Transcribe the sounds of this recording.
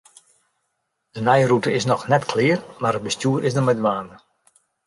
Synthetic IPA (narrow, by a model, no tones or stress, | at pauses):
d̥ənɛjrutəɪsnɔxnɛtkʰlɪːərmaɾət̚bəstjuəɾʔɪsdərmɛdʋaːndə